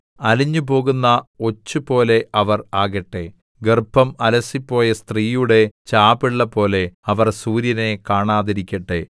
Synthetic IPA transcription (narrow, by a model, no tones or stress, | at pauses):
ɐliɲːupo̞ːɣunːɐo̞t͡ɕːupo̞ːle̞ʔɐʋɐraːɣɐʈːe | ɡerpːɐmɐlɐsipːo̞ːjɐst̪riːjuɽe̞t͡ɕaːbiɭːɐpo̞ːle̞ɐʋɐrsuːɾjɐne̞kaːɳaːðiɾikʲːɐʈːe